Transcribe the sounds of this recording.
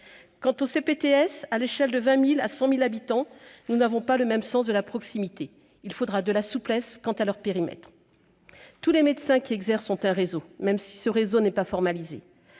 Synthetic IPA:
kɑ̃t̪osepet̪eɛsaleʃɛld̪əvɛ̃mila̰sɑ̃milabit̪ɑ̃nunavɔ̃paləmɛmsɑ̃sd̪əlapχɔksimit̪e | ilfod̪ʁad̪əlasuplɛskɑ̃t̪alœʁpeʁimɛ̰t̪χ | t̪ulemed̪sɛ̃kʲiɛɡzɛʁsɔ̃t̪ɛ̃ʁezomɛmsi̥səʁezonɛpafɔʁmalizḛ

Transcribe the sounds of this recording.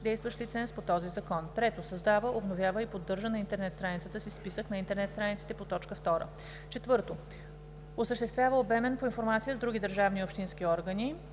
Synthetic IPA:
d̪ɛjst̪vəʃlit̪sɛnspot̪ɔzizɐkɔnt̪ɾɛt̪osɐzd̪avəʔobnovʲjavəipod̪ːɤɾʒənɐint̪ɛɾnɛt̪st̪ɾanit̪sət̪əsispisəknɐint̪ɛɾnɛt̪st̪ɾanit̪sit̪ɛpot̪ɔt͡ʃkəft̪ɔɾə̰ | t͡ʃɛt̪vɤɾt̪o | osəʃt̪ɛst̪vʲjavəobɛmɛnpoinfoɾmat̪sijəzd̪ɾuɡʲid̪əɾʒavniopʃt̪insk̟iɔɾɡəni

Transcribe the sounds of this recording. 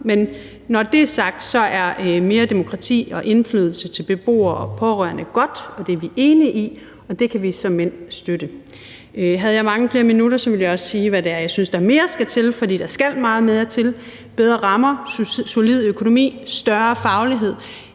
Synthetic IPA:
menː | ɒd̥e̝æɐsɑ̈ɡ̥̚d̥sɒ̽ʔæɐme̝ːɐd̥e̝mo̝kʰʁɑ̈t͡sʰḭːɒ̽ʔe̝nflyːð̞ˠl̩sət͡sʰe̝lb̥e̝b̥o̝̰ːɐɒ̽pʰɒ̽ʁœ̰ɐnəɡ̥ɒ̽d̥ɒ̽d̥eʋiʔe̝ːniʔi | ɒ̽d̥e̝kʰæʋisɒ̽mːen̰sd̥øɾ̥ə | ɦæð̞ˠjɑ̈ɪmɑ̈ŋəfle̝ːɐminuɾ̥ɐsɒ̽ʋe̝ljɑ̈ɒ̽ssiːʋæɾeæɐjɑ̈ɪsynsd̥ɑ̈æɐme̝ːɐsɡ̥æt͡sʰe̝lfɒ̽d̥ḭːd̥ɑsɡ̥æl̰mɑ̈ːð̞̩ˠmeðˠjɑ̈t͡sʰe̝l | b̥eð̞ˠʁɐʁɑ̈mɐsolið̞̰ˠøkʰo̝no̝mḭːsd̥ɶɐfɑ̈ʊliɦe̝ð̞̰ˠ

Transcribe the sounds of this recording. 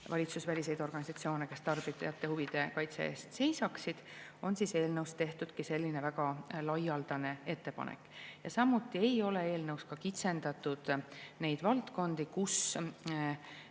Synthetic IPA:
vɑlʲit̪susvælʲise̞jd̪o̞rɡ̥ɑnisɑt̪sio̞ːneke̞st̪ɑrb̥iɑjɑt̪ːe̞huvid̪̥e̞kɑjt̪sḛe̞ːst̪se̞jsɑksid̪̥o̞nsise̞ːlnɤwst̪e̞ht̪ud̪̥kise̞lʲːine̞væɡɑlɑjɑld̪̥ɑne̞e̞t̪ːe̞pɑ̰nʔḛkːˑjɑsɑmːut̪ːˑie̞jo̞le̞e̞ːlnɤwskɑkit̪se̞nd̪ɑt̪ːˑud̪̥ne̞jd̪̥vɑlt̪ko̞nd̪̥ikus

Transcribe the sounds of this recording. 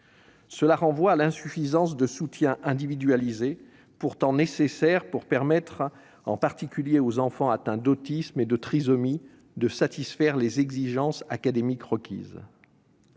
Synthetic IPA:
səlaʁɑ̃vwaːlɛ̃syfizɑ̃sd̪əsut̪jɛ̃ʔɛ̃d̪ivid̪ɥalize | puʁt̪ɑ̃nesesɛʁpuʁpɛʁmɛt̪χ | ɑ̰̃paʁt̪ikʲyljeozɑ̃fɑ̃at̪ɛ̃d̪ot̪ismed̪ət̪χizɔmi | d̪əsat̪isfɛʁlezɛɡziʒɑ̃sakad̪emikʁəkʲḭːz

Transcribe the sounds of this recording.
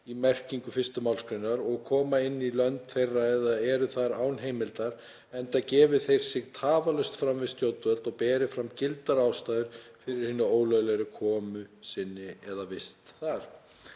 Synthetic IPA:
imɛr̥ciŋkʏfɪst̪ʏmawlskʰɾʏnːaɾɔɣkʰɔːmaɪnːilœnt̪θejrːaɛðaðɛɾʏθaɾaːwnɦeːjmɪlt̪aɾ̥ | ɛnt̪acɛːvɪθejɾ̥sɪɣt̪ʰaːvalœɥst̪fɾamvɪðst̪jow̪t̪vœlt̪ɔɣpɛːɾɪfɾamcɪlt̪aɾaːwst̪aːjðʏɾ̥fɪɾɪɾ̥hɪnːʏoːwlœɣlɛɾɪkʰɔːmʏsɪnːɪɛðavɪst̪θaɾ̥

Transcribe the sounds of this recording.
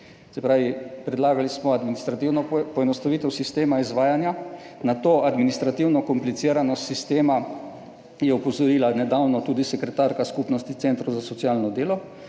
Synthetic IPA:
sɛpɾaːʋipɾɛd̪laːɡalismɔad̪minist̪ɾat̪iwnɔpɔɛnɔst̪aʋiːt̪ɛwsist̪eːmaizʋaːjanja | nat̪oːʔad̪minist̪ɾat̪iwnɔkɔmplit̪siːɾanɔsist̪eːma | jɛɔpɔzɔɾiːlanɛd̪awnɔt̪uːd̪isɛkɾɛt̪aɾkaskupnɔst̪it̪sent̪ɾozasɔtsjaːlnɔd̪eːlɔ

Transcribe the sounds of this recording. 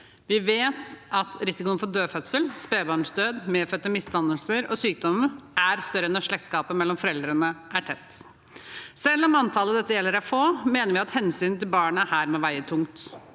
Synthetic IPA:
ʋɪʋeːt̪ɑt̪ɾɪsɪkʊənfɔɖ̪øːfœt̪səlspeːbɑːɳsd̪øːd̪meːfœt̪ːəmɪst̪ɑnəlsəɾɔ̰syːk̚d̪ɔməʔæɾst̪œɾənːɔʂɭɛk̪skɑːpəmɛlːɔmfɔɾɛld̪ɾənəʔæʈʰɛt̪ː | sɛlːɔmɑnt̪ʰɑːləd̪ɛt̪ːəjɛlːəɾæɾfoːmeːnəɾʋɪɑt̪hɛnsyːnt̪ɪlbɑːɳəæɾhæːɾmɛʋæɪət̪ʰʊŋt̪

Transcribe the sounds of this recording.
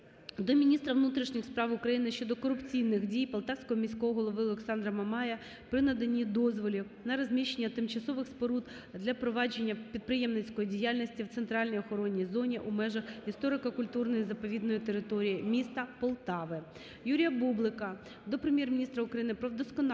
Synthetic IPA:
d̪ɔmʲinʲist̪ɾɐʋnut̪ɾʲiʃnʲɪxspɾɑʋʊkɾɐjinɪʃt͡ʃɔd̪ɔkɔɾʊpt͡sʲijnɪxdʲijpɔlˠt̪ɑwsʲkɔɦɔmʲisʲkɔɦɔɦɔlˠɔʋɪɔlˠeksɑnd̪ɾɐmɐmɑjɐ | pɾɪnɐd̪enʲid̪ɔzʋɔlʲi | nɐɾɐzʲmʲiʃːenʲːɐt̪ɪmt͡ʃɐsɔʋɪxspɔɾud̪ | d̪lʲɐpɾɔʋɑd͡ʒe̞nʲːɐpʲid̪̚pɾɪjɛmnɪt͡sʲkɔjidʲijalʲnʲisʲtʲiwt̪sent̪ɾɑlʲnʲijɔxɔɾɔnʲːijzɔnʲiʔumɛʒɐxist̪ɔɾɪkɐkʊlʲt̪urnɔjizɐpɔʋʲid̪nɔjit̪eɾɪt̪ɔɾʲijimʲist̪ɐpɔlˠt̪ɑʋɪ | juɾʲijɐbublˠɪkɐ | d̪ɔpɾemʲjermʲɪnʲist̪ɾɐʊkɾɐjinɪpɾɔd̪ɔskɔn

